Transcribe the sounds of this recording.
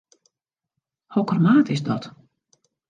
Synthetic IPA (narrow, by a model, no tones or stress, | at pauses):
hokɔrmaːtɪsdɔt